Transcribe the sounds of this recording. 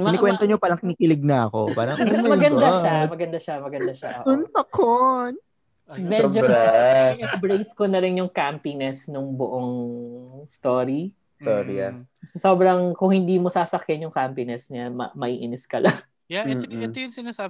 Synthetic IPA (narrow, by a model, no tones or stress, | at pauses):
ɪnɪkwɛnt̪oɲopaːlɐŋkɪniːkɪlɪɡ̚nɐɐko̞̰paːɾɐmmɐɡɐnd̪aʃamɐɡɐnd̪ɐʃɐmɐɡɐnd̪ɐʃɐ̰ʔɐkʊnpɐkon | mɛod͡ʒoɾajʊbɾejskonɐɾɪnjʊŋkampinɛsnʊŋbʊʔoŋ | st̪oːɾi | st̪oːɾiɐ̰sɐso̞ːbɾɐŋkʊŋhɪnd̪iːmosaːsɐkjɪnjʊŋkampinɛsɲamɐ̰mɐʔiːʔɪnɪskɐlɐŋ | jaɛːɛojʊŋsɪnasa